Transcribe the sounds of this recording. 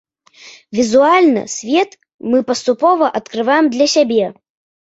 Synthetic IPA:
vʲizualʲnɐ̰sʲvʲɛt̪ | mɨpɐst̪upɔvɐʔɐt̪kɾɨvajɛmd̪lʲɐsʲabʲɛ

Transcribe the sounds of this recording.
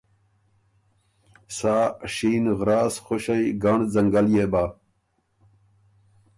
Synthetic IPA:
saːɕiːnɣɾaːsxoɕɐiɡaɳzɐŋɡɐljebaː

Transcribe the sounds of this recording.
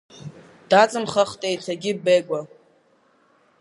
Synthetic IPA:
d̥at͡sʼɨnχəχtʼejtʰaɡʲɪbejkʷʼa

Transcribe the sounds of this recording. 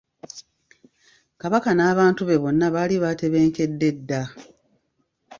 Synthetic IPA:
kaβakanaːβaːntuβe̞βo̞nːaβaːliβaːte̞βe̞ːŋke̞dːe̞dːa

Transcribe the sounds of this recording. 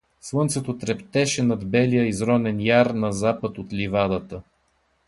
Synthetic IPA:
slˠɤnt̪sɛt̪ot̪ɾɛpt̪ɛʃɛnɐd̪bɛlijəizɾɔnɛnjaɾnɐzapət̪ot̪livad̪ət̪ə

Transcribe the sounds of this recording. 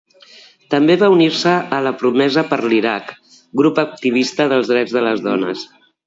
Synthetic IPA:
t̪əmbeβauniɾsəːləpɾumɛzəpəɾliɾak | ɡɾupək̚t̪iβ̞ist̪əðəlˠzðɾɛd͡zðələzðɔnə̰s

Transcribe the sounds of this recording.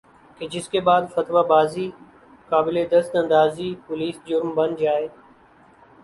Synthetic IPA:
keːd͡ʒɪskeːbaːd̪fət̪ʋaːbaːziː | kaːbɪleːd̪əst̪ə̃nd̪aːziːpʊliːsd͡ʒʊɾmbənd͡ʒaːeː

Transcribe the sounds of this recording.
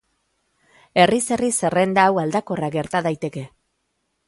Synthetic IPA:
e̞rise̞rise̞re̞nd̪aːwald̪ako̞raɡe̞ɾt̪aðajt̪e̞ke̞

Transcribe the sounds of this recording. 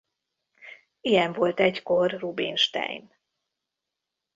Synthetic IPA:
ijɛɱvo̞lt̪ɛɟko̞rːubinʃt̪ɛ̰jḭm

